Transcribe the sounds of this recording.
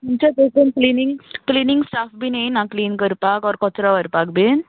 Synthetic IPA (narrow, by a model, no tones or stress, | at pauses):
muɲt͡ɕat̪okunkliniŋɡkliniŋɡsʈafbinenãkliːnkəɾpakɔɾkɔt͡sɾaʋəɾpak̚bʱin